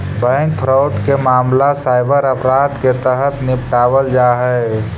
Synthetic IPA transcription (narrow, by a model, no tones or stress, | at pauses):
bɛ̃ːŋkpʰɾaʊʈkemaːmlasaːɪbəɾəpɾaːd̪ket̪əɦət̪nɪpʈaːwəld͡ʒaːɦɛ